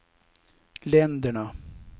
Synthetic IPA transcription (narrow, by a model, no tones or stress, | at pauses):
lɛnd̪əɳa